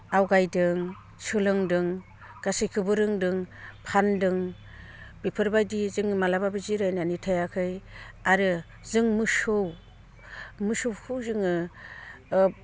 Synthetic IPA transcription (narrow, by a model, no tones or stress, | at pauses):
awɡajdɯŋ | sɯlɯŋdɯŋ | ɡ̥asɯjkʰɯbɯɾɯŋdɯŋpʰandɯŋ | bipʰɯɾbajdizɯŋɯmalababɯziɾajnanitʰajakʰɯjaɾɯ | zɯŋmɯsɯw | mɯsɯwkʰɯwzɯŋɯ